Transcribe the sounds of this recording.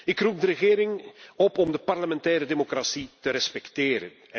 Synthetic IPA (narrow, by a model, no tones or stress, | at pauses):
ɪkrup̚dəɾəɣeːɾɪŋɔpɔmdəparləmɛntɛːɾədemokrasitəɾɛspɛkteːɾə̰n